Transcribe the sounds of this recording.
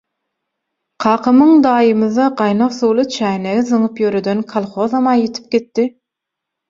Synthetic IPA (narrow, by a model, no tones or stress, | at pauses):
qʰɑːqʰɯmɯŋd̪ɑːjɯmɯðɑqɑjnɑqθuːlˠɯt͡ʃʰæːneɣizɯɴɯpjøɾød̪ønkʰɑlˠχoðɑmɑnjet̪ʰi̥p̚ɡet̪ːi